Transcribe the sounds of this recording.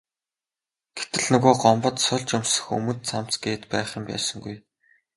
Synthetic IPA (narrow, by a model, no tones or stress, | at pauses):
ɡ̥et̪ɘ̆ɮnɵɣoːɢɔmpɞ̆t̪sʊɮt͡ɕʊmsɵ̆xɵ̰mɵ̆nt̪t͡sʰam̥t͡sɡeːt̪pæːχə̆mpæ̰ːsə̆ŋɡuj